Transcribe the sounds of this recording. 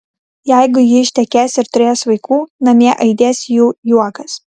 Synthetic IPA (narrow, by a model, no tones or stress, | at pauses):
jɛˑɪɡʊjɪɪʃʲt̪ʲɛkʲeːsɪɾt̪ʊɾʲeːjosʋɐɪkuːnɐmʲiɛʔɐɪd̪ʲeːsʲjuːjuɔkɐs